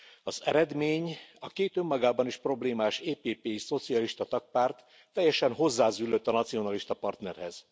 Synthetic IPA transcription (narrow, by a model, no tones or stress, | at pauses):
ɒzɛ̰ɾɛd̪meːɲɒkeːt̪ømːɒɡaːbɒniʃpro̞bleːmaːʃeːpeːpeːiso̞t̪sijɒliʃt̪ɒt̪ɒk̚paːrt̪ː | ɛjːɛʃɛnɦo̞zːaːzyːlːøt̪ːɒnɒt̪sio̞nɒliʃt̪ɒpɒrt̪nɛrhɛz̥